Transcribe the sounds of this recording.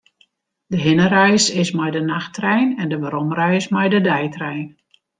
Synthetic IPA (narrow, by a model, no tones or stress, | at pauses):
dəɦɪnəɾœjsɪsmɛjdənaxtrɛjnɛndəʋəɾɔmrɛjɪsmɛjdədɛjtrɛjn